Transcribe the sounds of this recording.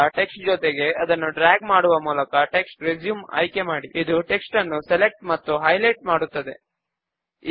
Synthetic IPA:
ʈe̞ksʈ̚d͡ʒɔt̪eɡe̞ɐd̪ɐnːuɖɾaːɡmaːɽuʋɐmuːlɐkɐʈe̞ksʈɾed͡ʒjuːmɐ̰jke̞maːɽiid̪uʈe̞ksʈɐnːusele̞k̚ʈmɐt̪ːuɦɐjlɐjʈ̚maːɽut̪ːɐd̪e̞

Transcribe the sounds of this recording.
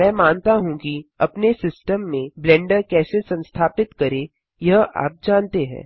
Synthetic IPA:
mɛ̃ːmaːnt̪aɦũkiɐpnesɪsʈəmːẽblɛ̃ːɳɖəɾkɛːsesɐ̃nst̪ʰaːpɪt̪kɐɾe | jɐɦa̰ːp̚d͡ʒaːnt̪eɦɛ̰̃ː

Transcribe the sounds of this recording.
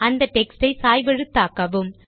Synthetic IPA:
ɐnd̪ɐʈɛksʈɐɪsaːjʋɛɻɯt̪ːaːkɐʋɯm

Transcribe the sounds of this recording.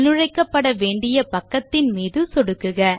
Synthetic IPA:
nɯɻɐɪkːɐpːɐɽɐʋeːɳɖɪjɐpɐkːɐt̪ːɪnmiːðɯsɔɽɯkːɯɣɐ

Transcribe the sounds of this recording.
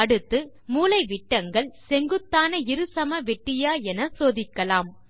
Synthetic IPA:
ɐɽɯt̪ːɯ | muːlɐɪʋɪʈːɐŋɡɐɭsɛŋɡɯt̪ːaːnɐɪɾɯsɐmɐʋɛʈːɪjaːɛnɐsoːðɪkːɐlaːm

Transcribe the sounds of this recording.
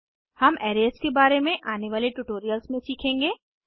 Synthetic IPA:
hɐmɛːɾeːskebaːɾemẽʔaːneʋaːleʈuːʈoːɾijəlsmẽsiːkʰẽːŋɡeː

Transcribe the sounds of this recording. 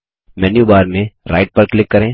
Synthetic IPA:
mɛːnjubaːɾmẽɾa̰ːɪʈ̚pɐɾklɪkːɐɾẽː

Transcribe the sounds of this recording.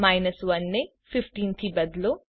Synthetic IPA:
majnɐsʋɐnːe | fifʈiːnt̪ʰiːbɐd̪lu

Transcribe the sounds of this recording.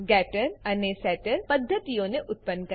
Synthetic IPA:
ɡɛːʈəɾɐnesɛːʈəɾpɐd̪ʱːət̪ijõneʔʊt̪̚pənːkɐ

